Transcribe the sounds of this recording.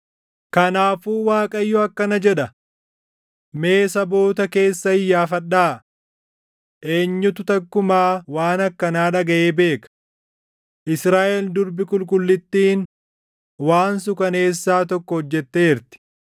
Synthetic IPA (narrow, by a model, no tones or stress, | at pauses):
kɐnaːfuːwaːkʼɐjːɔɐkːɐnɐd͡ʒɛᶑɐ | me̞ːsɐbo̞ːt̪ɐke̞ːsːɐɪjːaːfɐᶑaː | ʔe̞ːɲːʊt̪ʊt̪ɐkːʊmaːwaːnɐkːɐnaːᶑɐɡɐʔeːbe̞ːkɐ̥ | ʔɪsɾaːʔɛld̪ʊɾbɪkʊlkʼʊlːɪt̪ːiːn | waːns̬ʊkɐne̞ːsːaːt̪ɔkːɔhɔd͡ʒːɛt̪ːeːɪɾt̪ɪ̥